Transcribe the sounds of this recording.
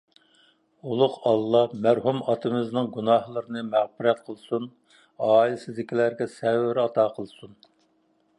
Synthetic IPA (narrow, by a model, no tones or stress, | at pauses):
ulˠʊqɑlˠːɑmæɾɦumɑt̪ʰɨmɪznɨŋɡunɑhlˠəɾɨnɨmæʁpɪɾɛt̪̚qʰəlˠsun | ɑːilɪsɪzd̪ɪkʲʰilæɾɡʲɛsɛwɪɾɑt̪ɑːqʰəlˠsun